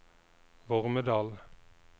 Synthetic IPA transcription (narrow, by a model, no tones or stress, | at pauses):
ʋɔʁməd̪ɑːl